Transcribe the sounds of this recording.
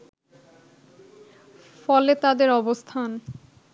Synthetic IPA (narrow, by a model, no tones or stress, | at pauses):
fɔlet̪ad̪eɾɔbost̪ʰan